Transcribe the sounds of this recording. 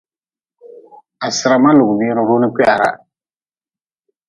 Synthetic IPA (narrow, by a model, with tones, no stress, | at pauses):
a˨sɪ˨ɾa˨ma˦lu˨ɡbiː˦ɾʊ˦ɾu˦nɪ˦kɛ˦ʔa˨ɾa̰˨